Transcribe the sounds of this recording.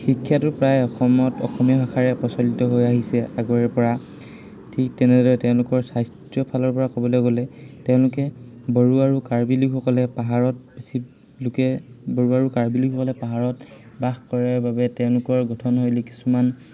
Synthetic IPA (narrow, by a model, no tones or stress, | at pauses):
xikʰːjatʊpɹajɔxɔmɔtɔ̰xɔmijɔbʱaxaɹɛpɔsɔlitɔɦojaɦisɛʔaɡɔɹɛɹpɔɹa | tʰik̚tɛnɛdɔɹɛtɛʊ̃lʊkɔɹsajsttjɔpʰalɔɹpɔɹakɔbɔlojɡolɛtɛʊ̃lʊkɛ | bɔɹuaɹukaɹbiliɡʰɔkɔlɛpaɦaɹɔt̚pisi | lʊkɛbɔɹuaɹukaɹbiliɡʰʱɔkɔlɛpaɦaɹɔt | baxkɔɹaɹbabɛtɛʊ̃lʊkɔɹɡʱɔtʰɔnɦojliki̥suman